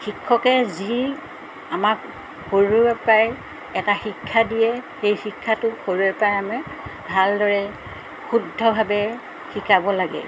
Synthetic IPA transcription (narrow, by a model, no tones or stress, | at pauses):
xikʰːɔkɛzi | amak | xoɹubɛpaj | ɛtaxikʰːadijɛxejxikʰːatʊxoɹubɛpajamɛbʱaldɔɹɛ | xudʱːɔbʱabɛ | xikabɔlaɡɛ̰